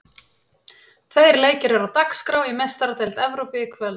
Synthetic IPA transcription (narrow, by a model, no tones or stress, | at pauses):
t̪ʰvejɾleːjcɪɾɛɾawt̪akskɾaːwimest̪aɾat̪ejlt̪ɛvɾowpiɪkʰvɛl